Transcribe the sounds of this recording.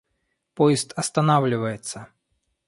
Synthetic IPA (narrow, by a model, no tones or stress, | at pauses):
pɔjɪst̪ɐst̪ɐnavlʲɪvəjɪt̪sːɐ